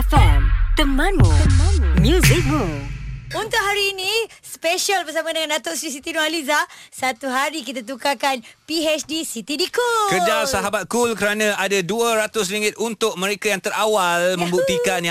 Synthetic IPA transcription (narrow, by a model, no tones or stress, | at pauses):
fɛmt̪əmənəmnmjuzik̚bu | unt̪ʊʔɦaɾiːnĩ | speʃalbərsamãdəŋanat̪ɔʔsɾis̬it̪inõalizasat̪uɦaɾik̬it̪at̪̬ukakanpiɦɛt͡ʃdisit̪idikukəd͡ʒasaɦabat̪̚kulkəɾanãadaduaɾat̪ʊs̬ɾiŋɡɪt̪̚unt̪ʊk̚mə̃ɾekajaŋt̪əɾawalmə̃mbuk̚t̪ikan